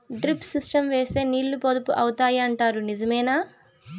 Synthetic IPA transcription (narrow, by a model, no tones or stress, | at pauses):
ɖɾipsisʈɐmʋeːse̞ːniːɭːupod̪upuʔɐwut̪aːjiɐɳʈaːɾunid͡ʒɐmɛːnaː